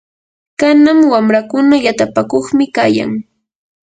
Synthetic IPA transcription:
kanamwamɾakʊnajat̪apakoχmɪkaːja̰ŋ

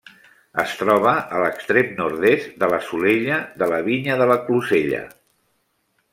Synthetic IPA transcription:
əst̪ɾɔβ̞əʔələkst̪ɾemnuɾðestd̪ələsuleʎəd̪ələβiɲəðələkluzeʎə̰

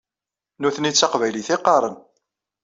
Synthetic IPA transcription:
nuθənit͡sːɑqvæjliθɪqːɑɾˤən

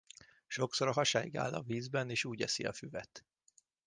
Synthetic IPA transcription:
ʃo̞ksoɾɒɦɒʃaːjiɡa̰ːlːɒviːzbɛneːʃuːɟɛsiɒfyvɛt̪

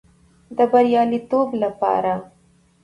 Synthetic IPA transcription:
d̪əbaɾjɑlit̪oblapɑ̰ɾa

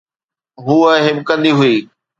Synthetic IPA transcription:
ɦuːɦɪbkɐ̃nd̪iɦʊiː

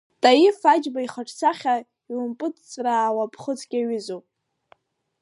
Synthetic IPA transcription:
tʼajifad͡ʒbaiχaʈ͡ʂʰt͡sʰaχʲa | jʊmpʼɨt͡st͡sʼraːwapʰχət͡sʰʼkʲʼaɥɪzowpʼ

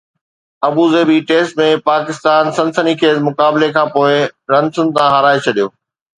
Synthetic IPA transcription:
ɐbuzeːbiʈeːsʈmẽpaːkɪst̪aːnsɐ̃nsənikʰeːzmʊkaːblekʰãːpoːɪɾɐ̃nsʊnɪ̆t̪ãɦɐɾaːet͡ɕʰɐɗijoː

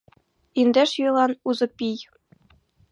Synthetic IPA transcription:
ind̪eʃjølˠɑnuzɤ̆pʲij

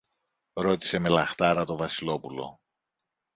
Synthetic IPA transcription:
ɾo̞t̪i̥se̞me̞lɐxt̪ɐɾɐt̪o̞vɐsilo̞pulo̞̰

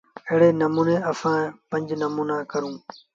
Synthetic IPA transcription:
əɦɽeːnəmuːneːəsãːpə̃ɲd͡ʒnəmuːnaːkəɾũː

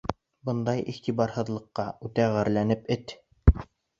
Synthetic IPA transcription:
bɤnd̪ɑjiʁt̪ibɑɾhɤ̆ðlˠɤ̆qːɑʉt̪æʁæɾlænɘpɘt̪

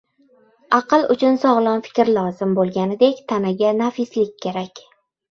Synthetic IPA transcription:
ɑqʰɨlˠʊt͡ʃʰʊnsɒʁlˠɒnfɪ̥kʲɾlˠɒzɪmbolˠɡʲanɪd̪e̞kʲt̪ʰanaɡʲanafɪslɪkʲʰːe̞ɾakʲ

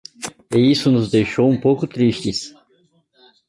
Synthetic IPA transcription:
ɪisʊnʊzd̪ejʃowũpowkʊt̪ɾiʃt͡ʃɪs

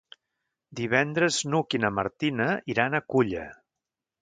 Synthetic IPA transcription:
d̪iβɛnd̪ɾəznukinəmə̰ɾt̪inəiɾanəkuʎə̰

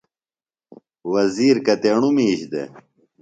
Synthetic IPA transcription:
wɐziːɾkɐt̪eɳumiːɕd̪ḛ

